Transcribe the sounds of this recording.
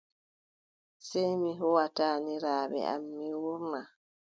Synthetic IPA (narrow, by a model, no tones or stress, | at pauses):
sejmiɦɔwataːniɾaːbɛ̰a̰mːiwɔɾma